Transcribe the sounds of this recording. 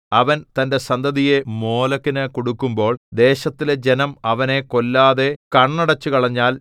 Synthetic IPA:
ɐʋɐnt̪ɐnde̞sɐnd̪ʱɐðije̞mo̞ːlɐkːinɨkoɽukːumbo̞ːɭd̪e̞ːɕɐt̪ːiled͡ʑenɐmɐʋɐne̞ko̞lːaːðe̞kɐɳːɐɽɐt͡ɕːukɐɭɐɲːaːl

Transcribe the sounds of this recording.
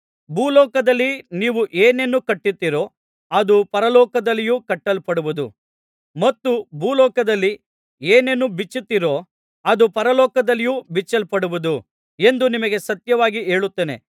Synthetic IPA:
bʱuːlɔːkɐd̪ɐlːiniːʋuʔeːnenːukɐʈːit̪ːiɾo̞ː | ɐd̪upɐɾɐlɔːkɐd̪ɐlːijuːkɐʈːɐlpɐɽuʋud̪u | mɐt̪ːubʱuːlɔːkɐd̪ɐlːi | eːne̞nːubit͡ʃːut̪ːiɾo̞ | ɐd̪upɐɾɐlɔːkɐd̪ɐlːijubit͡ʃːɐlpɐɽuʋud̪u | e̞nd̪unimɐɡe̞sɐt̪jɐʋaːɡie̞ːɭut̪ːeːnḛ

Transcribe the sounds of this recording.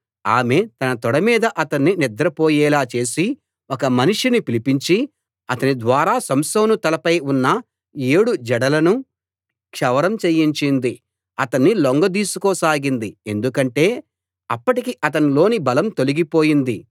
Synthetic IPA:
aːme̞t̪ɐnɐt̪ɔɽɐmiːd̪ɐʔɐt̪ɐnːinid̪ɾɐpoːjɛːlaːt͡ʃe̞ːsi | ɔkɐmɐniʂinipilipiɲt͡ʃi | ɐt̪ɐnid̪ʋaːɾaːsɐmsɐːnut̪ɐlɐpɐjunːɐ | eːɽud͡ʒɛɽɐlɐnu | kʂɐʋɐɾɐmt͡ʃejːiɲt͡ʃind̪i | ɐt̪ɐnːiloŋɡɐd̪iːsukoːsaːɡind̪ie̞nd̪ukɐɳʈe̞ː | ɐpːɐʈikiʔɐt̪ɐnilo̞ːnibɐlɐmt̪o̞liɡipo̞ːjind̪i

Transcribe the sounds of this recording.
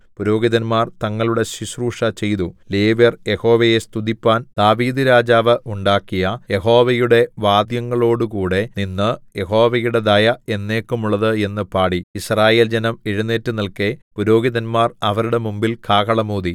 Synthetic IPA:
puɾo̞ːɡiðɐnmaːrt̪ɐŋːɐɭuɽe̞ɕiɕruːʂɐt͡ɕe̞jt̪uleːʋjɐrje̞ho̞ːʋɐjest̪uðipːaːnd̪̥aːʋiːd̪ɨɾaːd͡ʑaːʋɨʔuɳɖaːkːijɐje̞ɦo̞ːʋɐjuɽe̞ʋaːd̪jɐŋːɐɭo̞ːɽukuːɽe̞ninːɨje̞ho̞ːʋɐjuɽe̞d̪ɐjɐe̞nːe̞ːkːumuɭːɐðɨe̞nːɨpaːɽiisraːje̞ːld͡ʑenɐmeɻunːeːtːɨnɐlke̞puɾo̞ːɡiðɐnmaːrɐʋɐɾuɽe̞mumbilkʰaːkɐɭɐmuːði

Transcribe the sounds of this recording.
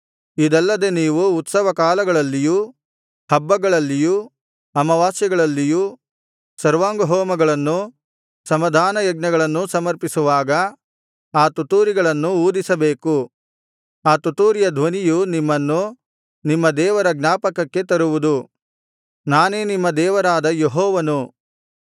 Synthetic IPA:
id̪ɐlːɐd̪e̞niːʋuːt̪sɐʋɐkaːlɐɡɐɭɐlːiju | hɐbːɐɡɐɭɐlːiju | ɐmɐʋaːsjɐɡɐɭɐlːiju | sɐɾʋaːŋɡɐɦɔːmɐɡɐɭɐnːu | sɐmɐd̪ʱaːnɐjɐɡ̚nɐɡɐɭɐnːusɐmɐɾpisuʋaːɡɐ | aːt̪ut̪uːɾiɡɐɭɐnːuuːd̪isɐbeːku | aːt̪ut̪uːɾijɐd̪ʱʋɐnijunimːɐnːu | nimːɐd̪ɛːʋɐɾɐɡnaːpɐkɐkːe̞t̪ɐɾuʋud̪u | naːneːnimːɐd̪ɛːʋɐɾaːd̪ɐjeɦɔːʋɐnu

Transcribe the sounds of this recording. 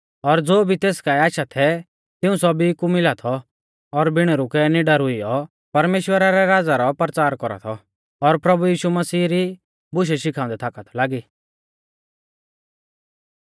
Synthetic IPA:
ɔɾd͡zoːbʱit̪eːskaːɛaːʃat̪ʰɛ | t̪ɪũsɔbikumɪlat̪ʰɔ | ɔɾbɪɽ̃ɛɾʊkɛniɖaɾʊijɔ | pɐɾmeːʃwəɾaɾɛɾaːd͡zaɾɔpɾət͡saːɾkɔɾa̰t̪ʰɔ | ɔɾpɾɐbujiːʃumɐsiːɾi | bʊʃ̬ɛʃɪkʰãːʊ̃ɛt̪ʰaːkat̪ʰɔlaːɡiː

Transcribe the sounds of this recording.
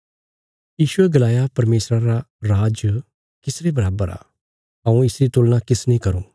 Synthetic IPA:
jiːʃʊeɡɐlaːjapɐɾmeːsɾãɾaɾaːd͡ʒ | kɪsɾebɐɾaːbəɾa̰ː | ɦɐũɪsɾit̪ʊːlnãkɪsnĩːkɐɾõ̰ː

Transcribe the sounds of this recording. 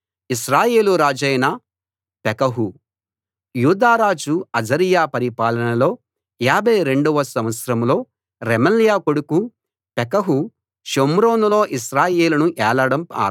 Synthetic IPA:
iʃɾaːje̞ːluɾaːd͡ʒɐjnɐ | pɛkɐɦu | juːd̪aːɾaːd͡ʒuɐd͡ʒɐɾijaːpɐɾipaːlɐnɐlo̞ː | jaːbʱɐjɾe̞ɳɖuʋɐsɐ̃m̃ʋɐt̪sɾɐmlo̞ː | ɾemɐljaːkoɽuku | pɛkɐɦu | ʃomɾo̞ːnulo̞ːʔiʃɾaːjeːlɐnuʔɛːlɐɽɐma̰ː

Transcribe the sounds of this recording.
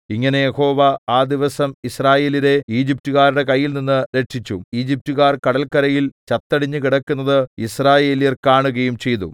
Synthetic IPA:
iŋːɐne̞jeho̞ːʋɐaːd̪iʋɐsɐmisraːje̞ːliɾe̞iːd͡ʑip̚tuɣaːɾuɽe̞kɐjːilninːɨɾe̞ʈʂit͡ɕːuiːd͡ʑip̚tuɣaːrkɐɽɐlkɐɾɐjilt͡ɕɐt̪ːɐɽiɲːɨkiɽɐkːunːɐðɨisraːje̞ːlijɐrkaːɳuɣɐjumt͡ɕe̞jt̪u

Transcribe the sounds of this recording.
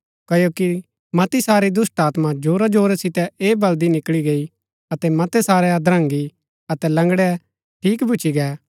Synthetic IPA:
kɐjoːki | mɐt̪isaːɾid̪ʊsʈaːt̪mad͡ʒoːɾad͡ʒoːɾɛsɪt̪ɛeːbɐld̪inɪkliɡei | ɐt̪ɛmɐt̪ɛsaːɾɛad̪ɾə̃ŋɡi | ɐt̪ɛlɐ̃ŋɡɽɛ | ʈʰiːkbʱʊːt͡ʃʰiɡɛː

